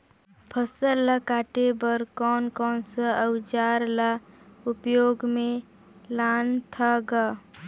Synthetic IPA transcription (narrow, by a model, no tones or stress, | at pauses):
pʰəsəllːəkaːʈebəɾkɔːnkɔːnsəəwd͡ʒaːɾlaʊpjoːɡmẽ | laːnt̪ʰaɡa